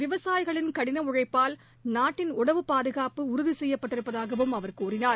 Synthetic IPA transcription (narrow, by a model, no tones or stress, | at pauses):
ʋɪʋɐsaːjɣɐɭɪnkɐɽɪnɐʊɻɐɪpːaːl | naːʈːɪnʊɽɐʋɯpaːðɯɣaːpɯʊɾʊðisɛjːɐpːɐʈːɪɾɯpːɐðaːɣɐʋɯmɐʋɐɾkuːrɪnaːɾ